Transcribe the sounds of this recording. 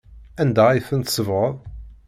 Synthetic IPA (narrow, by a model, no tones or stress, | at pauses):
ænd̪æifənt̪səvʁəðˤ